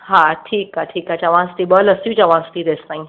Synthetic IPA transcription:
ɦaːʈʰiːkaʈʰiːkat͡ɕaʋãːst̪iɓəːlɐsjũt͡ɕaʋãːst̪iɾest̪aːĩ

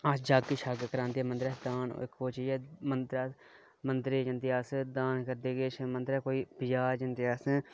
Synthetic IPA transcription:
aːsd͡ʒaːɡkiʃaːɡkəɾãːnd̪iːɛːmənd̪əɾɛːd̪aːno̰kʰːoːt͡ʃijɛːmənd̪ɾa | mənd̪ɾeːd͡ʒənd̪iːaːsd̪aːnkəɾd̪eːɡeːt͡ʃʰmənd̪əɾɛːkoːiːpɪd͡ʒaːɾd͡ʒənd̪iaːs

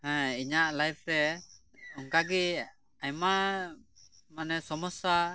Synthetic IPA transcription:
hɛ̃iɲaʔlajp̚ʰɾɛ | ɔŋkaɡi | ajma | manɛsɔmɔsa

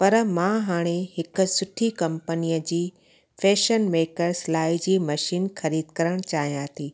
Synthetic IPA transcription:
pɐɾmãɦaːɽ̃eɦɪkʊ̆sʊʈʰikɐ̃mpənijəd͡ʑiː | fʰɛːʃənmeːkəɾslaːid͡ʑiːmɐʃiːnxɐɾiːd̪kɐɾəɽ̃t͡ɕaːɦijãɦt̪ʰiː

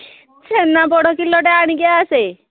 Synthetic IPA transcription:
t͡ʃʰenapɔɽɔkilɔʈeaɽ̃iɡeaːse

